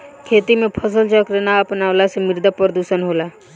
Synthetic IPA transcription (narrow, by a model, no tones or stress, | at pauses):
kʰet̪imẽpʰəsəlt͡ʃəkɾənaəpnaʊlasemɪɾd̪əpɾəd̪usənɦola